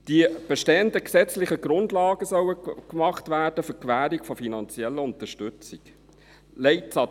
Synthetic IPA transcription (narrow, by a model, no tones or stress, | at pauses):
d̥ib̥ɛʃteːəndəksɛt͡slɪχəɡɾʊndlɑːɡ̥əsœwəkmɑχtʋæːrd̥əfʏkʰʋæːɾikfɔfinɑnt͡sjɛlːəʊnt̪əʃtʏt͡sɪk | lɛɪtsɑ